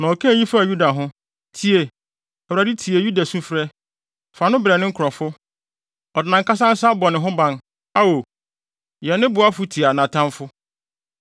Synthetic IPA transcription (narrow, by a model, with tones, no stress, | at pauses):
nã˨ɔ˨kʰã˦˨ji˦fa˦˨ju˦da˨ɦʊ̃˦ | tʰi˨e˨ | ɛ˨wɾa˨di˦tʰi˨e˨ju˦da˨sũ˦fɾɛ˦ | fa˨nʊ̃˦bɾɛ˨nɪ̃˦ŋ̩˦kʰɔ˨fʊ˦ | ɔ˨dɪ˨nã˨ŋka˦s̬ã˦n̩˦sa˦bɔ˨nɪ̃˨ɦʊ̃˦bã˨n | a˦wo˨ | jɛ˨nːɪ̃˦bʊ˨a˦fʊ˨˦tʰi˨a˨nã˨tʰã˦mfʊ˦